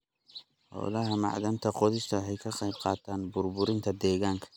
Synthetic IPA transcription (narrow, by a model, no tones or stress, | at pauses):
hɔ̰ːlɐɦɐmɑ̰ʕd̪ɐmt̪ʰɐqɔðɪst̪ʰɐħɛjkʰɐqɑjb̚qɑːt̪ʰaːnbʊrbʊɾɪnt̪ʰɐd̪ɛːɣaːŋkʰɐ̥